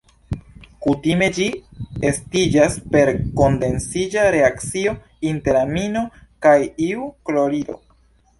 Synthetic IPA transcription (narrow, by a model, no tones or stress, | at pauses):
kutime̞d͡ʒiestid͡ʒaspe̞ɾko̞nde̞nsid͡ʒaɾe̞akt͡sio̞ | inte̞ɾamino̞kajiuklo̞ɾido̞̰